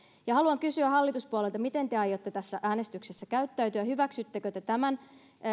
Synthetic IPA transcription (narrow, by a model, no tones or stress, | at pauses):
jɑhɑluɑŋkysyæhɑlːit̪uspuɑlelt̪ɑmit̪e̞nt̪eɑjːot̪ːet̪æsːæʔæːnest̪yksesːækæyt̪ːæyt̪yæhyʋæksyt̪ːekøt̪et̪æmæn